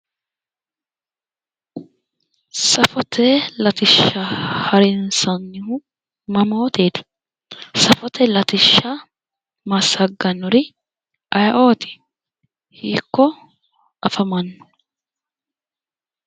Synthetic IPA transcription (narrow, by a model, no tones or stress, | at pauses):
sɐfɔt̪ʰeːlɐt̪ɪʃːahɐɾɪnsɐnːɪhʊ | mɐmoːt̪eːd̪ɪ̥ | sɐfɔt̪ʰɛlɐt̪ɪʃːaː | mɐsɐɡːɐnːʊɾɪ | ʔɐjɐʔo̞ːt̪ɪ̥ | hiːkːɔ | ʔɐfɐmɐnːʊ̥